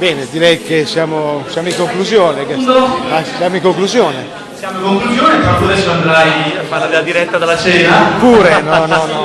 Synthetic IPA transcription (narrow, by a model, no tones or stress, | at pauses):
bɛːned̪iɾɛjkesjaːmosjaːmoiŋkoŋkluzjoːneked̪asjaːmoiŋkoŋkluzjoːne | sjaːmoĩŋkoŋkluzjoːnekat̪uoad̪ɛsːoand̪ɾajfalad̪elad̪iɾɛt̪ːad̪alːat͡ʃɛːnapuːɾenɔnɔnɔ